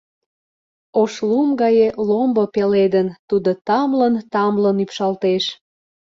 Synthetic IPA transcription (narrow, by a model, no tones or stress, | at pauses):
oʃlumɡɑjelombopeled̪ənt̪ud̪ot̪ɑmlənt̪ɑmlənypʃɑlt̪eʃ